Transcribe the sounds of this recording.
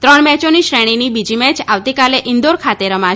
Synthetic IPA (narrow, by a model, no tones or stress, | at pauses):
t̪ɾəɳmɛt͡ʃoniʃɾɛɽ̃inibid͡ʒimɛt͡ʃaʋt̪ikaleʔɪnd̪oɾkʰat̪eɾəmã